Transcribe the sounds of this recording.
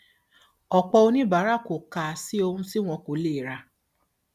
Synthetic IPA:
ɔ˨k͡pɔ˧o˧nĩ˦ba˨˦ɾa˦ko˨kaː˨si˦o˧hũ˧si˦w̃ɔ̃˧ko˨˦leː˦˨ɾa˧

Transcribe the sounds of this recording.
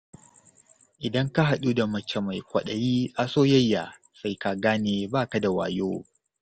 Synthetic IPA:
ʔɪ˨dɐ˦ŋka˦ɦa˨ɗu˦da˨mɐ˦t͡ʃːɛ˨ma˨jkʷɐ˨ɗɐ˨jiː˦ʔa˦soː˦jɐ˦jːaː˨ | sa˦jka˨ɡaː˦neː˨baː˦ka˨da˨wa̰ː˨joː˦

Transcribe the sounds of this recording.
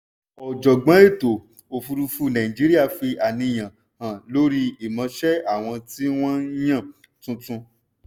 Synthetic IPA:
ɔ˨d͡ʒɔ˨ɡ͡bã˨˦e˦˨to˨ | o˨fu˧ɾu˧fu˦˧nã˨ĩ˨d͡ʒi˦ɾi˦a˦˨fi˧a˨nĩ˧j̃ã˨ | hã˨lo˦ɾi˦i˨mã˧ʃɛ˦a˦˨w̃ɔ̃˧ti˦w̃ɔ̃˦n̩˦j̃ã˦˨ | tũ˧tũ˧

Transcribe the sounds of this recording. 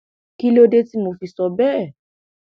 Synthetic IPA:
ki˦lo˦de˦ti˦mo˨fi˨sɔ˨bɛ˦˨

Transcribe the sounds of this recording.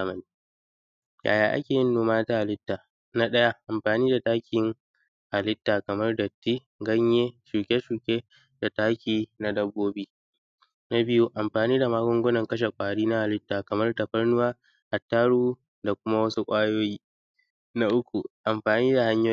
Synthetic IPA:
a˦mɐ˨ni˨˦ | ja̰ː˨jaː˨ʔa̰˦kʲeː˨jɪ˦nːoː˨maː˦ta˦ʔa˨lɪ˦tːaː˨ | na˦ɗɐ˦ja˦ʔa˨mɸaː˨niː˦da˨taː˦kʲʰɪ˨ŋ | ʔa˨lɪ˦tːaː˨kɐ˨mɐ˦rdɐ˨tːiː˦ | ɡɐ˦ɲjeː˦ʃuː˨kʲe˦ʃuː˨kʲʼe˦ | d̥a˨taː˦kʲiː˨na˦dɐ˦bːoː˦bi˦ | na˦bɪ˦ju˦ʔa˨mɸaː˨niː˦da˨maː˦ɡʷʊ˦ŋɡʷʊ˦nɐ˨ŋkɐ˦ʃ̬e˨kʷʼaː˨ɽiː˦na˦ʔa˨lɪ˦tːaː˨kɐ˨mɐ˦rtɐ˨ɸɐ˦rnʊ˦waː˦ | ʔa˨tːaː˦ɽuː˦ | da˨kʷʊ˦ma˦wɐ˦su˦kʷʼaː˦joː˦jiː˦ | na˦ʔʊ˦kʷu˨ʔa˨mɸaː˨niː˦da˨ha˦ɲjoː˦

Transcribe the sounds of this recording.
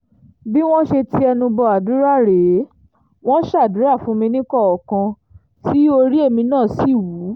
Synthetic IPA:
bi˦w̃ɔ̃˦ʃe˧ti˧˦ɛ˧nũ˧bɔ˧a˨du˨˦ɾa˦˨ɾe˨˦ | w̃ɔ̃˦ʃa˦˨du˨˦ɾa˦˨fũ˨˦mĩ˧nĩ˦kɔ˦˨ɔ˨kã˧ | ti˦o˧ɾi˦e˦˨mĩ˧nãː˦˨si˦˨wu˨˦

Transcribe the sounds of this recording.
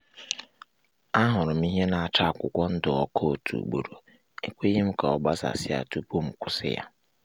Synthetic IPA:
a˦ɦʊ˨ɾʊ˨mi˦ɦe˦nã˨a˨t͡ʃa˦˨kʷʊ˨kʷɔ˦n̩˦dʊ˨ɔ˦kʰo˦˨tʰṵ˨ɡ͡bo̰˨ɾo˨ | e˦kʷe˦je˦m̩˦kʰa˨ɔ˨ba˦sa̰˨sɪ˦a̰˨tʰu˦pʰu˦˨m̩˨kʷʊ˨sɪ̰˦ja̰˨

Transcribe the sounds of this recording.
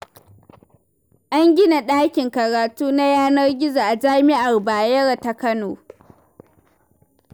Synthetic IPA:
ʔa˦ŋɡʲɪ˦na˨ɗaː˦kʲɪ˨ŋkɐ˨ɾaː˨tuː˦na˦jaː˦nɐ˦rɡʲɪ˦za˨ʔa˨d͡ʒaː˦mɪ˦ʔa˨rbaː˨jɐ˦ɽa˨ta˨kɐ˦noː˨

